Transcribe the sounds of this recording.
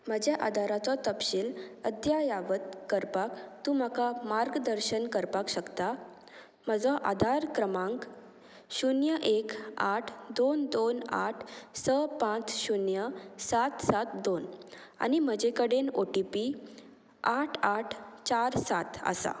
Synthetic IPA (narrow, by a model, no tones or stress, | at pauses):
m̤əd͡ʑjaʔad̪ʱaɾat͡sɔt̪əpɕiːləd̪jajaʋət̪̚kəɾpakt̪ũːmakamaɾɡd̪əɾɕənkəɾpakɕəkt̪a | m̤əd͡zɔʔad̪ʱaɾkɾəmãŋk | ɕunjəʔekaʈʰd̪ond̪ona̰ʈʰsəpãt͡sɕunjəsat̪sat̪d̪ona̰nim̤əd͡ʑekəɽenoʈipi | aʈʰaʈʰt͡ɕaɾsat̪ʰə̰sa̰